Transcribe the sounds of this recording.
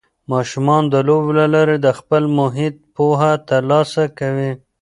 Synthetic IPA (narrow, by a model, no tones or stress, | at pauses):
mɑʃumɑnd̪əloblalaɾed̪əxpəlmʊɦɪt̪̚poɦat̪əɾlɑsakawi